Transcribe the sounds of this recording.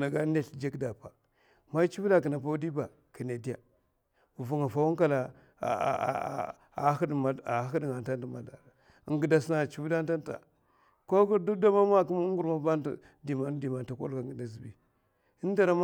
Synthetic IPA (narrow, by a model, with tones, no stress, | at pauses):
na˨ɡa˦ne˦ɬd͡ʒe˦kda˨pa˨ | ma˦t͡ʃi˦bla˨k̬ə˨na˨p̬a˦u˦di˦ba˨ | ki˨ne˨di˦ja˨ | u˨vu˨ŋa˨fa˦wu˦ŋka˦la̰˨˦ | dma˨a˨˦xi˦dŋa˨nta˦ndi˨ma˨da˨ | ə˨ŋɡə˨da˨sna˨t͡ʃi˦vu˦da˦nta˦nta̰˨ | ko˦ɡu˦du˦da˦ma˦ma˦ki˦m˦ŋ˦ɡu˦˨ɾma˦ba˦n˦tḭ˨ | di˨ma˨n˦di˨ma˨nta˨ko̰˦lka˨ɡə˨da˨zi˨bḭ˨ | i˦n˦da˨ɾa˨m˦